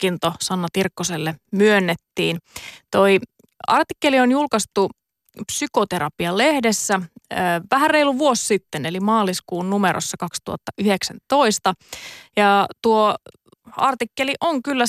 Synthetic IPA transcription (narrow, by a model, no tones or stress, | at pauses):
kːint̪osɑnːɑt̪irkːoselːemyønːet̪ːiːnt̪o̞i | ɑrt̪ikːelionjulkɑst̪u | psykot̪e̞ɾɑpiɑlehdesːæʋæhæreiluʋuosːit̪ːenelimɑːliskuːnnumeɾo̰sːɑkɑkst̪ṵɑ̰t̪ːɑʔyheksænt̪o̞ist̪ɑjɑt̪uo | ɑrt̪ikːeliʔoŋkylːæ